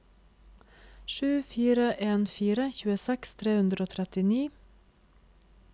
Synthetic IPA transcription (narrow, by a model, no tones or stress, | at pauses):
ʃʉːfiːɾəʔeːnfiːɾəçʉːəsɛkst̪ʰɾeːhʉnd̪ɾoːt̪ʰɾɛt̪ɪniː